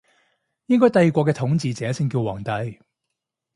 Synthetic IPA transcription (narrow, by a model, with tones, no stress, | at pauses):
jɪ˥ŋkɔː˥jt̪ɐ˨˧jiː˨˧kʷɔː˧k̬ɛː˧t̪ʰʊ˨˥ŋt͡siː˨˧t͡sɛː˨˧˥sɪ˥ŋkiː˧wwaː˨˩ŋt̪ɐ˨˧˥j